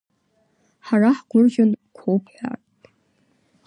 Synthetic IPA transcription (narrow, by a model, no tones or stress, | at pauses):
ħaraħɡʷʊrʒʊnkʷʰowpʰħʷᶣa̰rtʼ